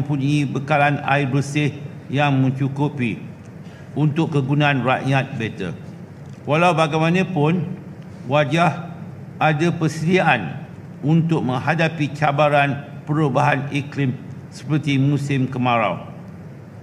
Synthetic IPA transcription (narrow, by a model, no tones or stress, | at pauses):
əmpuɲibəkalana̰ibəsɪh | jaŋmə̃nt͡ʃukupi | unt̪ʊkkːəɡunãanraʔjat̪̚bɛt̪ə̰ | walawbaɡajmãnãpʊn | wad͡ʒah | ʔadapəsədiaʔan | unt̪ʊk̚mə̃ŋɦadapit͡ʃabaɾanpəɾubaɦaniklɪmsə̥pərt̪imũsɪmkəmãɾa̰w